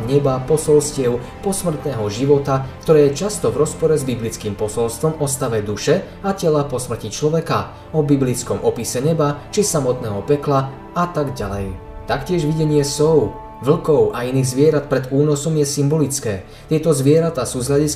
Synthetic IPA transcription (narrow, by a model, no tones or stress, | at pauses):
ɲɛbapɔsɔlscɪɛʊ | pɔsmr̩t̪nɛːɦɔʒiʋɔt̪akt̪ɔɾɛːjɛt͡ʃast̪ɔvɾɔspɔɾɛzbiblit͡skiːmpɔsɔlst̪ʋɔmɔst̪aʋɛd̪uʃɛ | acɛlapɔsmr̩cit͡ʃlɔʋɛka | ɔbiblit͡skɔmʔɔpisɛɲɛbat͡ʃisamɔt̪nɛːɦɔpɛkla | at̪aɡɟalɛ̰jt̪akcɪɛʒʋiɟɛɲɪɛsɔʊ | ʋl̩kɔʊʔainiːɣzʋɪɛɾat̪̚pɾɛd̪uːnɔsɔmjɛsimbɔlit͡skɛː | t̪ɪɛt̪ɔzʋɪɛɾat̪aːsuːzɦlaɟis